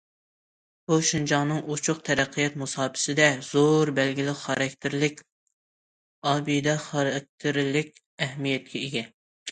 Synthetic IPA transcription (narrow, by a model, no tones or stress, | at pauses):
b̥uʃind͡ʒɑŋnɨŋut͡ʃʰʊq̚t̪ʰɛɾæqʰːɨjɛt̪̚musɑːpʰɪ̥sɪd̪ɛz̥oɾbɛlɡʲilɪχɑɾɛkʲt̪ʰɪɾlɪkʲ | ɑːbijd̪ɛχɑɾɛk̚ʲt̪ʰɪɾlɪk̚ʲ | ɛɦmijɛt̪̚kʲʰɛiɡʲɛ